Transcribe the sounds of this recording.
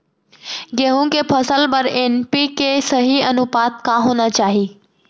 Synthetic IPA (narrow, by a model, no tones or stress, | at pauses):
ɡeɦũkepʰəsəlbəɾenpikesəɦiənʊpaːt̪̚kãɦoːnat͡ʃaːɦiː